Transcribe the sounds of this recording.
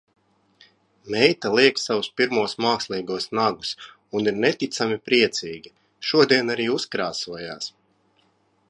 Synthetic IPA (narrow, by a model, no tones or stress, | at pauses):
mɛjt̪alˠiɛksawuspiɾmuɔsmaːkslˠiːɡuɔsnaɡus | uniɾnet̪it̪samipɾiɛt̪siːɡʲi | ʃuɔd̪iɛnaɾiːuskɾaːsuɔjaːs